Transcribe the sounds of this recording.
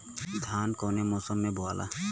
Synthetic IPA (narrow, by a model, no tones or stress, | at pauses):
sd̪ʱankɔnemɔsɔmːebɔalʔa̰